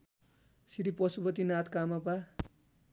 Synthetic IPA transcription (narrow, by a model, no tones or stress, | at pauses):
siɾipʌsubʌt̪inat̪kamapa